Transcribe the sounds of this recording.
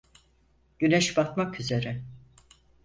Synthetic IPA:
ɟ̥ynɛʃbakmakyze̞ɾɛ

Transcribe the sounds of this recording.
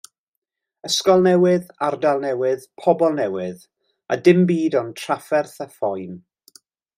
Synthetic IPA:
əskɔlˠnɛwɪðardalˠnɛwɪðpʰɔbɔlˠnɛwɪð | a̰dɪmbiːdɔntʰr̥afɛrθafɔjn

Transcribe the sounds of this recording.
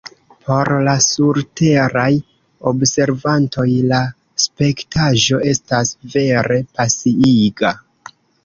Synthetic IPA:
pʰo̞ɾlasuɾte̞ɾaj | o̞bse̞ɾvanto̞jla | spe̞ktaʒo̞e̞stasve̞ɾe̞pasiiɡa

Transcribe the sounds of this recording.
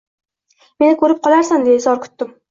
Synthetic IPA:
me̞nɪkʰɵɾɪp̚qʰɒlaɾsamd̪esɒɾkʲʰʊ̥t̪ːɪm

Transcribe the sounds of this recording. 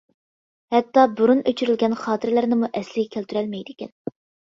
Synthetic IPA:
hɛt̪ːɑbuɾunøt͡ʃʰyɾylɡʲɛnχɑːt̪ʰɨɾlæɾnɪmuʔɛslɪɡʲɛkʲʰælt̪ʰyɾɛlmɛjd̪ɪkʲɛ̰n

